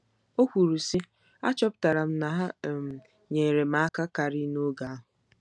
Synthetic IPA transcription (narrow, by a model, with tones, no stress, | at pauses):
o˦kʷu˨ɾu˨si˦ | a˦t͡ʃɔ˦p̚ta˨ɾa˨m̩˦na˨ɦa˦˨m̩˨ | ɲe˨ɾe˨m̩a˨a˦ka˦ka˨ɾi˦nu˦ɡa˨a˦ɦʊ˨